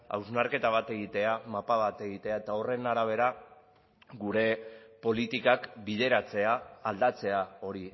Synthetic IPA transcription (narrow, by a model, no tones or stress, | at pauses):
a̰wznaɾke̞t̪aβ̞at̪e̞ɣit̪e̞amapaβat̪e̞ɣit̪e̞ae̞t̪ao̞re̞naɾaβ̞e̞ɾa | ɡuɾe̞po̞lit̪ikakbið̞e̞ɾat͡se̞aːld̪at͡se̞ao̞ɾi